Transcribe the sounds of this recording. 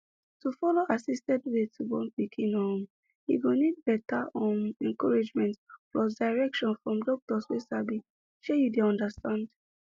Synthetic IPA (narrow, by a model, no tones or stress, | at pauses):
tufɔloʔasistɛdwetʰuɡɔ̃npikʰĩnɔ̃m | ḭɡonid̚bɛtaʔɔ̃nɛ̃ŋkɔɹid͡ʒmɛ̃ntflɔsdaɪɹɛkʃɔ̃nfɹɔ̃mdɔk̚tɔswesabi | ʃejudeɔ̃ndastãnd